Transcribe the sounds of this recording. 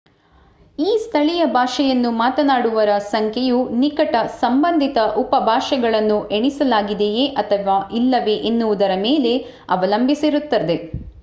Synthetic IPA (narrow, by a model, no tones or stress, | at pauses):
iːst̪ʰɐɭijɐbʱaːʂɛjɐnːumaːt̪ɐnaːɽuʋɐɾɐsɐŋkʰɛjunikɐʈɐsɐmbɐnd̪ʱit̪ɐʔupɐbʱaːʂɛɡɐɭɐnːuʔeɳisɐlaːɡid̪ejeʔɐt̪ʰɐʋaːʔilːɐʋe̞ʔenːuʋud̪ɐɾɐmeːle̞ | ɐʋɐlɐmbʱisiɾut̪ːɐd̪e̞